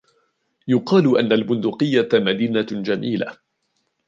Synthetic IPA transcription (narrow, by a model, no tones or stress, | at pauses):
jʊqɑːlʊʔanːalmʊnd̪ʊqɨjːamad̪iːnad͡ʒamiːla̰